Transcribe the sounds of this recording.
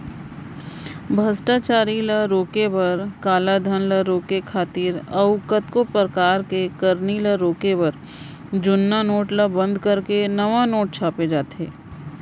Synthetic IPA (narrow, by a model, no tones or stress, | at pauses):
bʱɐsʈaːt͡ʃaːɾiləɾoːkebɐɾkaːlad̪ʱənləɾoːkekʰaːt̪iːɾɐʋʊkət̪kopɾəkaːɾkekəɾniləɾoːkebɐɾ | d͡ʒʊnːanoːʈləbə̃nd̪ʱkəɾkenɐʋanoːʈ̚t͡ʃʰaːped͡ʒaːt̪eː